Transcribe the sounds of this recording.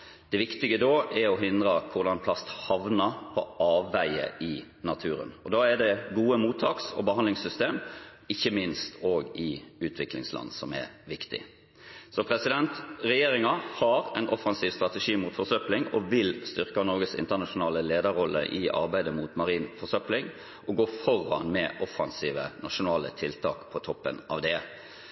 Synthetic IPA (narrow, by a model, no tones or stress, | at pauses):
d̪̥ɛʋɪkt̪ɪɡəd̪oːɛɾɔɦɪnd̪ʁəkʰʊʁd̪ɑnpʰlɑst̪hɑʋnəpʰɔʔɑːʋːæɪə̰ɪ | nɑt̪ʰʉːɾə̰nɔd̪ɑːæd̪ɛɡuːəmuːt̪ʰːɑːksɔ̰bəhɑnd̪lɪŋsʏst̪eːm | ɪçːəmɪnst̪ʰoːɡɪʉːt̪ʰʋɪklɪ̰ŋslɑ̰nːsɔmɛ̰ɾʋɪkt̪ɪ̰ | sɔpʰɾɛsɪd̪ɛnt̪ɾɛjeːɾɪŋɑhɑɾɛɪnʔɔfɑnsiːʋst̪ʁɑt̪əʂiːmuːt̪fɔsœplɪŋɔʋɪlst̪ʏʁkɑnɔɾɡəsɪ̰nt̪ənɑʂʊnɑːləleːd̪əɾɔlːə̰ʔɪʔɑ̰ɾbæɪd̪əmuːt̪mɑɾiːnfɔsœplɪŋ | ʔɔɡoːfɔɾɑ̰nmɛʔɔfːɑnsiːʋənɑʂʊnɑːlə̰t̪ʰɪlt̪ʰɑ̰ːkpʰɔt̪ʰɔpːə̰nɑ̰ʋd̪ɛ